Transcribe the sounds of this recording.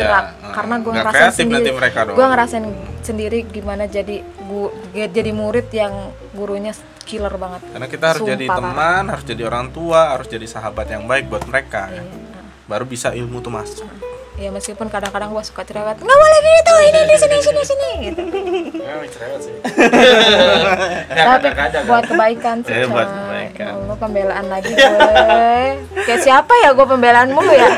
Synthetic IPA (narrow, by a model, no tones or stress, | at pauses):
ɾa | kːaɾənaɡuaŋɡaɾakɾeat̪ɪndat̪iməɾekadoɡuaŋəɾasaɪnsəndiɾiɡimanad͡ʒadiɡuɡ̚d͡ʒadimuɾɪt̪jaŋ | ɡuɾuɲa | kilərbaŋət̪̚karnakit̪aɦaɾʊsud͡ʒadipaəmanhaɾʊsd͡ʒadioɾaŋt̪uaɦaɾʊsd͡ʒadisaɦabat̪jaŋbaɪk̚buat̪̚məɾekaja | baɾubisailmut̪umasjaməskipʊnkadaŋkadaŋɡuasu̥kat̪uɾawat̪̚ŋɡawalaɡiit̪awininisinisinisini | t̪apikad͡ʒabuat̪̚kəbaikansiat̪̚a̰mupəmbelaʔanlaɡi | kajaʔsiapajaɡuapəmbelaːnmuja